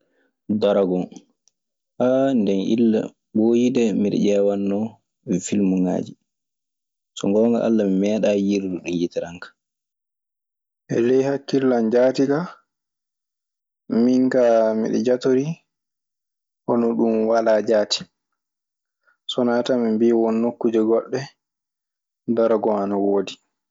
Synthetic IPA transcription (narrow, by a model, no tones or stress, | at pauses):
daɾaɡɔ | ʔandɛnʔḭlːa̰ | bojidɛmiɗɛ̰ʄɛwanːɔ | filmuŋa̰ːd͡ʒi | sɔŋɡɔːŋɡa̰ʔa̰lːamimɛːɗajiɾduɗunjitɛɾaŋkḁ | ʔɛ̰lɛjhakːilːand͡ʒaːtiɡa | miŋkamḭɗɛ̰d͡ʒatoɾi | hɔnɔɗumwalad͡ʒaːti̥ | sɔnaːtamimbiwɔnːokːud͡ʒɛɡɔɗːɛ | daɾɡɔanawoːdi